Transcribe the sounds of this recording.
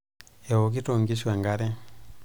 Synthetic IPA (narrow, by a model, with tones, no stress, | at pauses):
e˨o˨k̬i˦to˨ŋɡi˦swa˨ŋɡa˦ɾɛ˦